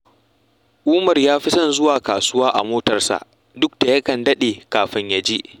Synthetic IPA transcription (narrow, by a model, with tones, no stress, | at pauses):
ʔuː˦mɐ˨rjaː˦ɸi˦sɐ˦nzʊ˦waː˨kaː˨sʊ˦waː˦ʔa˨moː˦tɐ˨rsa̰˨ʔ | dʊ˦k̚d̥a˨jɐ˦kɐ˨ndɐ˦ɗeː˨kaː˨ɸɪ˦ɲja˨d͡ʒi˦ʔ